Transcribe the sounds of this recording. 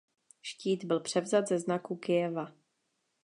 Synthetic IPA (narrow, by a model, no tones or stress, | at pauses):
ʃciːd̪bɪlpr̝̥ɛvzat̪zɛznakukɪɛva